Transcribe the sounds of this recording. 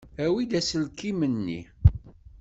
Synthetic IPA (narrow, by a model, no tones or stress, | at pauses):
æwid̪æsəlkimənːḭ